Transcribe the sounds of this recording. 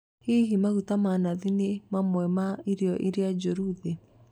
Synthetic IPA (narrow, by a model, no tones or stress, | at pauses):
heɦimaɣutamanaðinemamwɛmaiɾeɔʔiɾead͡ʒoɾuðe